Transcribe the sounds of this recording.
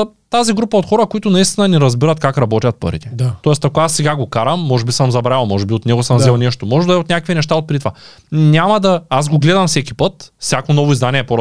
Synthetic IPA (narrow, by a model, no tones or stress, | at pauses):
t̪aziɡɾupɐot̪xɔɾɐkoit̪ʊnɐist̪inɐniɾɐzbiɾɐt̪kakɾɐbɔt̪ʲɐt̪̚pə̰ɾit̪ɛt̪at̪ɔɛst̪akoasːɛɡaɡokaɾɐmːɔʒɛbisəmzɐbɾailˠmɔʒɛbiot̪nɛɡosəmzvɛlˠnɛʃt̪omɔʒɛd̪ɐɛot̪nʲjakvinɛʃt̪aot̪̚pɾit̪va̰ | nʲamɐd̪ɐazɡoɡlɛd̪ɐmfsɛkʲipət̪fsʲjakonɔvoizd̪aniɛːpoɾ